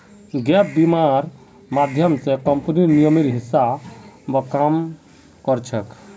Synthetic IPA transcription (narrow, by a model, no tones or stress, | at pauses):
ɡɛp̚bimaɾ | mad̪ʱjəmsekɔmpniɾnijɔmiɾɦisabɔkam | kɔɾt͡ʃʰək